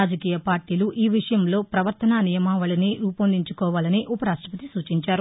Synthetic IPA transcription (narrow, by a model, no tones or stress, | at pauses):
aːd͡ʒɐkiːjɐpaːɾʈiːluʔiːʋiʂɐjɐmlo̞ːpɾɐʋɐɾt̪ɐnaːnijɐmaːʋɐɭɐniɾuːpɐnd̪iɲt͡ʃukɔːʋaːlɐniʔupɐɾaːʂʈɾɐpɐt̪isuːt͡ʃiɲt͡ʃaːɾu